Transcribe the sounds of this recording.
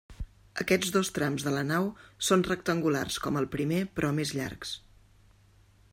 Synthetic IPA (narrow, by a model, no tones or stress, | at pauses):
ə̰kɛd͡zðost̪ɾamzðələnawsonrək̚t̪əŋɡula̰rskɔməlˠpɾimepɾʔɔmezʎa̰rks